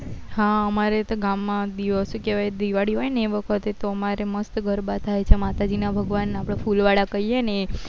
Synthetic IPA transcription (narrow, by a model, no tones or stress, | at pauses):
ɦãəmaɾet̪oɡamːãd̪iʋəsukeʋajd̪iʋaɽiɦɔjneʋəkʰət̪et̪oəmaɾeməst̪ɡʱəɾbat̪ʰajt͡ʃʰemat̪ad͡ʒinabʱəɡʋanːapɽ̃afulʋaɽakəɦijene